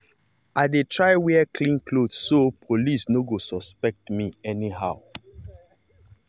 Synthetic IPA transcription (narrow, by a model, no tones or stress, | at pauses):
ʔaɪdetʰɹaɪwɛɛkʰlĩnkʰlodsopʰolisnoɡosɔspɛk̚tmiɛniɦa̰ʊ